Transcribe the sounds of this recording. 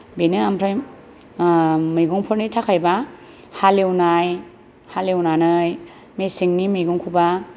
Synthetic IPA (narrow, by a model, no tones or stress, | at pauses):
benɯampʰɾaj | mɯjɡɔŋpʰɯɾnitʰakʰajba | halewnaj | halewnanɯj | mesiŋnimɯjɡɔŋkʰuba